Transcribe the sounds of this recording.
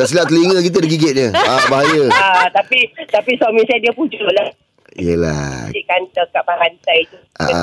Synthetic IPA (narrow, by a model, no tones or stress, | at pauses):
daʔs̬ilaʔt̪əliŋəkit̪̬ədəɡiɡet̪̚ɲəabaɦajəat̪apit̪apisamĩsajadiəpud͡ʒoʔlah | ijəla̰ikant̪əkaʔbakant̪ajt̪uʔa̰